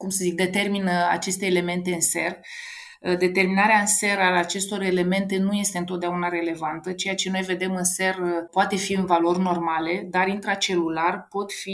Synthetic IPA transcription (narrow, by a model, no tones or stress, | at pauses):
kumsəzik̚d̪et̪e̞rminəa̰t͡ʃe̞st̪eːle̞me̞nt̪e̞ɨnse̞r | d̪e̞t̪e̞rminaɾeaɨnse̞ɾaat͡ʃe̞st̪o̞ɾele̞me̞nt̪e̞nuje̞st̪eɨnt̪ot̪d̪aunaɾe̞le̞vant̪ət͡ʃe̞jat͡ʃe̞no̞jve̞d̪e̞mɨnse̞rpoat̪e̞fiɨnvalo̞rʲno̞rmale̞d̪aɾint̪ɾat͡ʃe̞lularpo̞t̪fi